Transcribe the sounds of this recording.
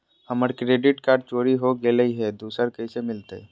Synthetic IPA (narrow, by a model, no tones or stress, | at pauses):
həməɾkɾeːɖɪʈkaːɾɖ̚t͡ʃoːɾiɦoɡeːləiɦɛd̪uːsəɾkəisemɪlt̪e